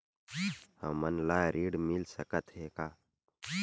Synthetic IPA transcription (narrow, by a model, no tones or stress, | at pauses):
həmənlaːɾiːɖmilsəkət̪ɦeːkaː